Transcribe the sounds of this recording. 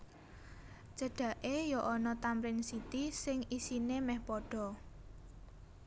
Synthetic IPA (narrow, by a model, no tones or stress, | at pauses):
d͡ʒ̥əɖ̥ä̤ʔejɔʔɔnɔt̪ampɾɪnsit̪isɪŋisinemɛhpɔɖ̥ɔ̤